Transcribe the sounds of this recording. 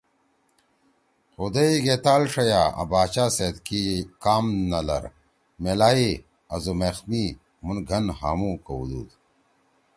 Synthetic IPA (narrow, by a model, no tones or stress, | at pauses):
xud̪ɐiɡet̪aːlʂɐjaɐ̰baːt͡ɕaːseːd̪kikaːmnɐlɐ̰ɾ | melaːi | ɐzomexmi | munɡʱɐnha̰ːmũkɐṵd̪ṵːd̪